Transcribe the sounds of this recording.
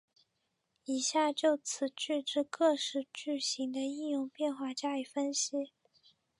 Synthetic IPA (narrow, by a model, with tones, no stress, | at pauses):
i˨˩ɕja˥˧t͡ɕjo˥˩ʊt͡sʰɹ̩˨˩˦t͡ɕy˥˧ʈ͡ʂɻ̩˥˧kɤ˥˧ʂɻ̩˥˩t͡ɕy˥˩ɕi˧˥ŋd̪ə˧i˥˧njʊ˥˧ŋpjɛ˥˧nxwa˥˩t͡ɕja˥ly˨˩fə˥nɕi˧˥